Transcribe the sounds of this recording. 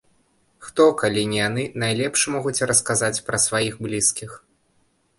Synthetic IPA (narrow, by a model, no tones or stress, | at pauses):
xt̪ɔkalʲinʲijanɨnajlʲɛpʂmɔɣut͡sʲɾɐskazat͡sʲpɾɐsvajixblʲiskʲix